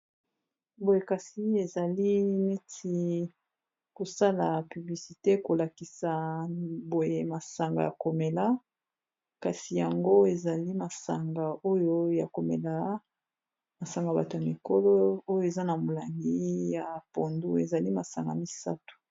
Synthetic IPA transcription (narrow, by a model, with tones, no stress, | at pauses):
bo˨je˨ka˨si˦e˨za˨li˦ni˦ti˦ | ko˨sa˦la˨py˨bli˨si˨te˦ko˨la˨ki˨sa˨bo˨je˦ma˨sa˨ŋɡa̰˨ja˨ko˨me˨la˦ | ka˨si˨ja˨ŋɡo˦e˨za˨li˦ma˨sa˨ŋɡa˨o˦jo˦ja˨ko˨mḛ˨la˦ | ma˨sa˨ŋɡa˨ba˨to˨ja˨mi˨ko˦lɔ˦o˦jo˨e˨za˦na˨mo˨la˨ŋɡi˦ja˨po˨ndu˦e˨za˨li˦ma˨sa̰˨ŋɡa̰˨mi˨sa̰˦tu̥˨